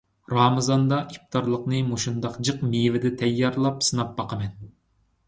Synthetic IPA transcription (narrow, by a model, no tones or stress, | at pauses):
ɾɑmɨzɑnd̪ɑʔip̚t̪ʰɑɾlˠəqnɨmoʃund̪ɑqd͡ʒɨqmivɪd̪ɛt̪ʰɛjːɑɾlˠɑpsɨnɑp̚bɑqəmɛn